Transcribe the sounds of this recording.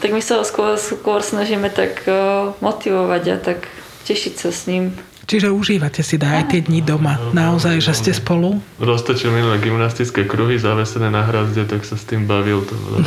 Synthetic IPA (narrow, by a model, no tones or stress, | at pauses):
t̪aɡmisaɦɔskʊɔskʊɔɾsnaʒiːmɛt̪akmɔt̪iʋɔʋaɟa̰t̪ak | cɛʃicsasɲiːm | t͡ʃiʒɛuʒiːʋacɛsid̪aːjt̪ɪɛd̪ɲid̪ɔmanaɔzajʒɛscɛspɔluɾɔst̪ɔt͡ʃilminulɛɡimnast̪it͡skɛːkɾuɦizaʋɛsɛnɛːnaɦɾazɟɛt̪aksast̪iːmbaʋilt̪ɔ̰